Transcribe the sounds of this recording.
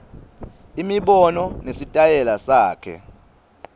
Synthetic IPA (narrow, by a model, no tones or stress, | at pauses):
imiɓɔnɔnesitʼajɛlasaːkʰɛ̰